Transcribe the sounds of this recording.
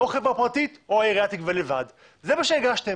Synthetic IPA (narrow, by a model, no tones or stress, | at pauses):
oχevʁapʁat̪it̪oaeʁiat̪ikvelevad | zemaʃeeɡaʃte̞